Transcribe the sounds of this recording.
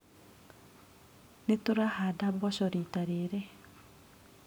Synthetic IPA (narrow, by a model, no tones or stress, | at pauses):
netoɾahadabɔʃɔɾitaɾeɾe